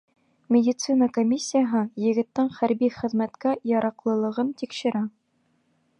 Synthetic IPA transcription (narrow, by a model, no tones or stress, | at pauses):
mʲɪdʲɪt̪sɨnɑkomʲisʲːijaɦɤjɘ̆ɡɘ̆t̪ːɘŋχæɾbiχɘ̆ðmæt̪kæjɑɾɑqlˠɤ̆lˠɤ̆ʁɤnt̪ikʃɘ̆ɾæ